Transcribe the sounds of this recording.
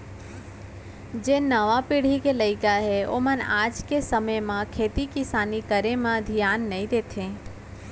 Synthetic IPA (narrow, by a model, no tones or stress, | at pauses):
d͡ʒeːnəʋapiɽ̤ikeləɪkaɦeo̰mənaːd͡ʒkesəməjmãkʰeːt̪ikɪsaːnikəɾemãd̪ʱijaːnːəĩd̪eːt̪ʰẽː